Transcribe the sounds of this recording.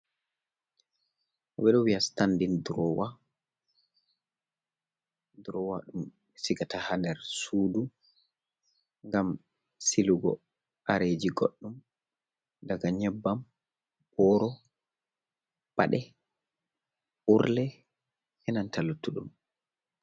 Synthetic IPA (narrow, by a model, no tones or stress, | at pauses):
ʔɔbɛɗɔwiastandindɾɔwa | dɾɔwaɗum | siɡatahandɛɾsuːdu | ŋɡam | siluɡɔ̰ | ʔaɾed͡ʒiɡɔɗːum | daɡaɲɛbːam | b̥ɔɾɔ | pa̰ɗɛ | ʔuɾlɛ | ɛnantʰalutːuɗṵm